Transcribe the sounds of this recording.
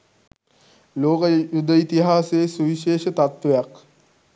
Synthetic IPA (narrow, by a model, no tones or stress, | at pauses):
loːkəjud̪əit̪iɦaːseːsuʋiʃeːʃət̪at̪ʋejak